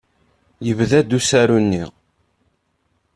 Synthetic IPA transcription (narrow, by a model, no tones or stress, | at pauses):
jəvðæd̪usæɾunːi